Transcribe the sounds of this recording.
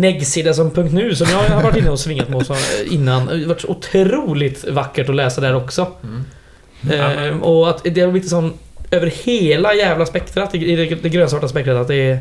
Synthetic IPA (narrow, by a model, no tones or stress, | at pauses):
nɛɡsiːd̪asɔmpʰɵŋkt̪nʉ̟ːsɔmjɑːɡhaɾvaʈːɪnːəɔsvɪŋːat̪mɛɔsɔɪnːanvaʈːʂɔʊt̪ʰɾuːlɪt̪vakːəʈɔlɛːsad̪æːɾɔksɔ | ɔat̪d̪ɛɾaɾlɪːt̪əsɔnː | øːvəɾheːlajæːvlaspɛkt̪ʰəɾat̪ɛɪd̪ɛd̪ɛɡɾøːnsɑːʈːaspɛkt̪ət̪at̪d̪ɛ